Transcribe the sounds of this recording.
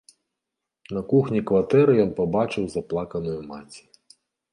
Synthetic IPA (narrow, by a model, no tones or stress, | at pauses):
nɐkuxnʲikvat̪ɛɾɨjɔnpabat͡ʂɨwzaplˠakɐnujuma̰d͡zʲi